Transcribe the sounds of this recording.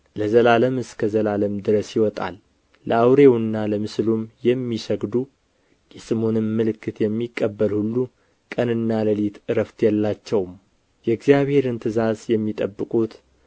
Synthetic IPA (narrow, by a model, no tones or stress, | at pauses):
ləzəlaləmɨskʰəzəlaləmd̪ɨɾəsjɪwɔt̪ʼa̰lː | əawɾe̞wɨnːaləmɨslumjɛmːisəɡd̪u | jɛsɨmo̞nɨmːɨlɨkʰːɨt̪jɛmːikʼːəbːəlhulːu | kʼənɨnːaləlit̪ɨɾəft̪ʰjɛlːat͡ʃːɛwm | jɛɨɡzijaβhe̞ɾɨnt̪ʰɨzazjɛmːit̪ʼəbːɨkʼut̪